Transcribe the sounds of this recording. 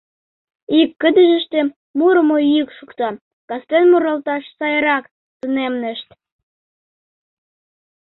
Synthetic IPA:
ikːəd̪əʒə̆ʃt̪e | muɾəmoikʃukt̪ɑ | kɑst̪enmuɾɑlt̪ɑʃsɑjɾɑk | t̪ənemnə̆ʃt̪

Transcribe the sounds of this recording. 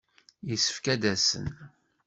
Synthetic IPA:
jəsə̥fkæd̪æsə̰n

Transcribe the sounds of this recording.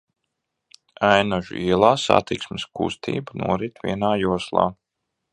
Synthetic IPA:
ajnaʒṵiɛlˠaːsa̰t̪iksmɪskṵst̪ʰḭːbnṵɔɾit̪vʲiɛnaːjuɔslˠɑ̰ː

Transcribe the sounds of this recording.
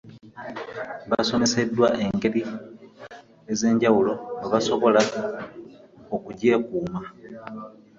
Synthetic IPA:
βa̰so̞me̞se̞dːwaʔe̞ŋɡe̞ɾi | eze̞ːɲɟawulo̞aβaso̞βo̞la | o̞kuɟe̞ːkuːma

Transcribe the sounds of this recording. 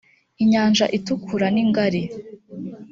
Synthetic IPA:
iɲaːnʒaʔitukʰuɾaniŋɡaɾe

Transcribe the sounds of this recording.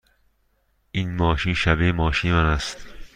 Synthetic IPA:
ʔiːnmɒːʃiːnʃæbemɒːʃiːnemænæst̪

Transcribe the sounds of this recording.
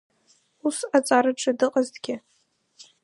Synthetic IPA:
usat͡sʼaɾɨʈ͡ʂʰʼɨdɨqʼaztɡʲɪ

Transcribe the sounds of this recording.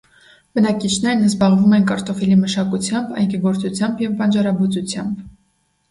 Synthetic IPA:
b̥ənɑkit͡ʃʰnɛɾnəzbɑʁvumɛnkɑɾt̪ɔfɛliməʃɑkut͡sʰjɑmbɑ̰jkɛɡɔɾt͡sut͡sʰjɑmbjɛvpɑnd͡ʒɑɾɑbut͡sut͡sʰjɑmb

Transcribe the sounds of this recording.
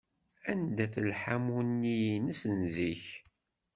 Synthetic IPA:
ænd̪æθəlħamunːiinəsənziç

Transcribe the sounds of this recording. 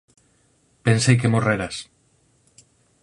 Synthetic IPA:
pensejk̬emoreɾas

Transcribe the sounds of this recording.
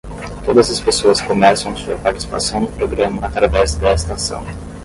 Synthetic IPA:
t̪od̪ɐzɐspesoɐskomɛsɐ̃w̃ɐsuɐ̰paɾt͡ʃi̥si̥pa̰sɐ̃w̃d̪ʊpɾoɡɾɐ̃mɐːt̪ɾavɛzd̪ɛest̪ɐsɐ̰̃w̃

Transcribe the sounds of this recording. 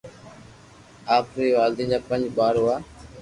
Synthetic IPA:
aːpɾeːʋaːld̪ĩːd͡ʒaːpənd͡ʒɓaːɾːaː

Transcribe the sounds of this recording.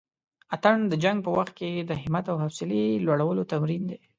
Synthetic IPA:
at̪aɳd̪əd͡ʒaŋɡ̚pəwaxt̪̚ked̪əɦɪmat̪awɦafsɪlelwaɽawəlot̪amɾind̪e

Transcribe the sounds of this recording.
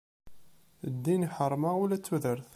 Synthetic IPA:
d̪ːiniħəɾˤmaulæt͡sːuðəɾθ

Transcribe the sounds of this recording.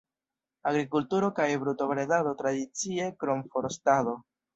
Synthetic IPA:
aɡɾikultuɾo̞kajbɾuto̞bɾedado̞tɾadit͡sie̞kɾomfo̞ɾstado̞

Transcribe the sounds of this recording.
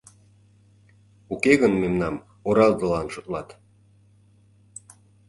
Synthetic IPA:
ukeɣənmemnɑm | oɾɑlzəlɑnʃot̪lɑt̪

